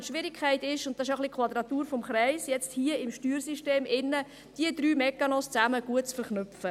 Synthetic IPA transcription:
ʃʋɪɾɪkʰχɛɪtɪʃʊnt̚d̥ɑsɪʃoχlikʰχʋɑd̪ɾɑt̪uːɾfɔmχɾɛɪsjɛt͡sthiəɪmʃtyːɾsiʃteːmɪnːə | d̥iəd̪ɾyːmɛkːɑnɔst͡sæməɡ̥uət̚t͡sfəɾχnʏfə

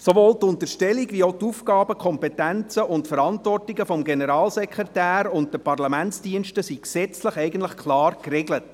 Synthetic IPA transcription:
soʋoːltʊntəɾʃtɛliɡʋioʊtufɡɑːbəkʰɔmpɛtænt͡səʔʊntfəɾɑntvɔrtɪɡəfɔmɡenəɾɑːlsɛkʁetæːɾʊnt̚d̥əpɑrlɑmænt͡sdiənʃtəsiksɛt͡sləχɛɪɡən̩tləχkʰlɑːrkreɡlət

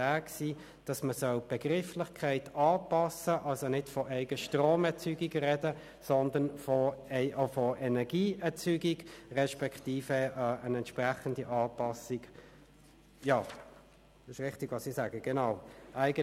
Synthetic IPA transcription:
æːksiː | d̥ɑsməsœlb̥ɛɡ̥ʁɪflɪχkʰæɪtɑːpɑsəʔɑlsonɪdfɔʔɛɪɡəʃtʁoːmɛɐt͡syːɡiɡ̥rɛdə | sɔndənfɔɛɪʔofɔʔɛnɛɐɡiːɛɐt͡syːɡiɡʁɛʃpɛktiːfəənɛntʃpʁæχəndiʔɑːpɑsɪɡ̥ | jɑː | ɪʃʁɪχtɪɡ̥ʋɑːsisæːɡəɡ̥ɛnɑʊʔæɪɡə

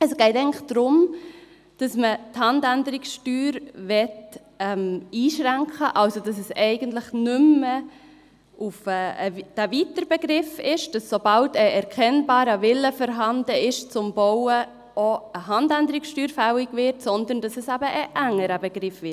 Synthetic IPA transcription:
ɛsɡ̥ɛɪtɛɪŋnɪχd̥ɾʊm | d̥ɑsməthɑndændəɾɪksʃtyːɾvɛt | ɛmiːʃɾæŋkχəʔɑlsodɑs̬ɛsɛɪɡ̥əntlɪχnʏmə | ʔufɛːəd̥ævitəɾb̥ɛɡɾɪfɪʃd̥ɑsːob̥ɑltəɛɾkʰɛnbɑːɾəvɪlːəfɔɾɦɑndəɪʃt͡sʊmboʊə | oəɦɑndændəɾiksʃtyːɾfæwɪɡvɪɾtsɔndənd̥ɑsɛsæbəʔːʔæŋːəɾəbɛɡ̥ɾɪfvɪt

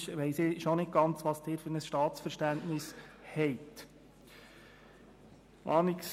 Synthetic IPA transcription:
ʃʋɛɪsɪʃonɪt̚ɡ̥ɑnt͡sʋɑsd̥ɪːɾfɵɾnəsʃtɑːtt͡sfəɾʃtæntnɪshɛɪt̪ | mʔɑːnɪks

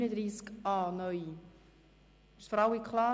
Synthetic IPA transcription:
nədɾiːskɑːnœj | ɪʃfɔɾalikʰlɑː

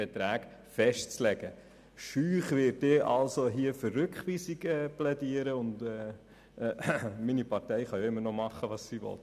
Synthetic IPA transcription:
ɛt̪ɾæːk | fɛʃtt͡slɛɡə | ʃyːχʋɪt̚deːʔɑlsoɦiəfərːʏkχʋiːsiɡɛːplɛdiəɾəʊndɛː | minipɑɾtɛɪχɑjoɪmːənɔmɑχːəʋɑːssiːʋɔ̰t

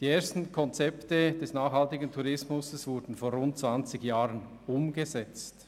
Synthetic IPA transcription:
d̥iːeːɐstn̩kʰɔnt͡sɛptəd̥ɛsnaːχhaltɪɡəntʰuɾɪsmʊsəsvʊɾdn̩foːɾʁʊnt̚t͡sv̥ant͡sɪɡjaːʁənʊmɡezɛt͡st

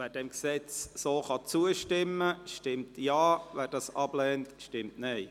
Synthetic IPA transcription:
væːɾdɛmksɛt͡ssoːχɑt͡suəʃtɪmːəʃtɪmtjɑːʋæːɾdɑːsɑb̥lɛːntʃtɪmtnɛɪ

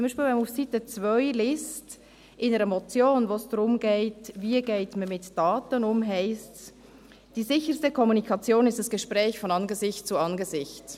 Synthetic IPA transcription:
t͡sʊmbiːʃpilvɛmufsitət͡svœʏlɪst | ʔɪnəɾəmɔt͡sjoːnvoːsd̥ʁʊmɡeːtviːɡ̥eɪtməmɪtd̥ɑːtənʊmɦɛɪsts | d̥iːzɪçəɾstəkʰɔmunikʰɑt͡sjoːnɪstd̥ɐsɡ̥əʃpʁɛːçfɔnɑnɡəzɪçt̚t͡suɑnɡəzɪçt

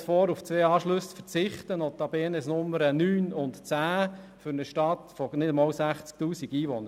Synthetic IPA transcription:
fɔːɾuft͡sʋeːɑːʃlɵsfəɾt͡sɪχt̪ənɔt̪ɑbɛːnɛsnʊmːəɾənyːnʊntt͡sæː | fʏɾnəʃtɑt̪fɔnɪdəmɑːlsæχt͡sk̚tuːsiɡiːʋɔnəɾ

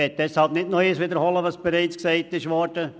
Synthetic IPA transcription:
ɛt̚d̥̪ɛshɑlpnɪtnɔɪəsʋɪd̪əɾhɔləʋɑsb̥ɛɾaɪt͡sksɛɪtɪʃʋɔɾd̥ə

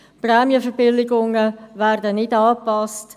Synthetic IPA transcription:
prɛːmjəfəɾbɪlɪɡʊŋəvæːɾdənɪdɑːpɑst

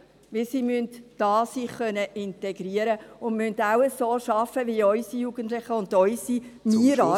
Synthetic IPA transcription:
ʋɪlsiːmyntd̥ɑːsiχœnəʔɪnteɡɾiəɾəʊnmyndaʊəsoːʃɑfəʋiɔʏsijuɡ̥əntlɪχəʊndɔʏsimiɾɑː

